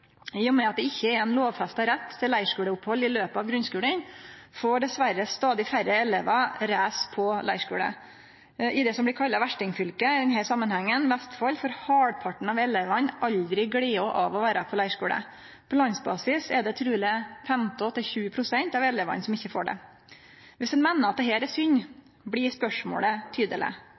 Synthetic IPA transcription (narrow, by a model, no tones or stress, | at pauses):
ɪʊmɛɑt̪̚d̪ɛɪçːəɛɾɛnloːʋfɛst̪ɑɾɛt̪ʰːɪlæɪʂkʉːləʊphɔlːɪløːpəɑːʋɡɾʉnskʉːlənfoːɖɛsʋæɾəst̪ɑːd̪ɪfæɾəɛleːʋɑɾæːspʰɔlæɪʂkʉːlə̰ | ʔɪd̪ɛsɔmblɪkʰɑlːɑʋæʂʈɪŋfʏlkəd̪ɛnɦæːsɑmːənhæŋːənʋæst̪fɑlːfɔɾhɑːɖpʰɑʈɳ̩ɑʋɛleːʋɑnʔɑʎd̪ɾɪɡɽiːɔʔɑʋɔʋæːɾəpʰɔlæɪʂkʉːlə̰ | pʰɔlɑŋsbɑ̰ːsɪsɛd̪ɛt̪ʰɾʉːlɪfɛmt̪ɪɔt̪ːəçʉːpʰɾʊsɛnt̪ɑʋɛleːʋɑ̰nsɔmɪçːəfo̰ːɖɛ̰ | ʋɪsd̪ɛnmɛnːəɾɑt̪̚d̪ɛɦeːɾɛsʏnː | bɽɪspœʂmo̰ːlət̪ʰyːd̪əlɪ̰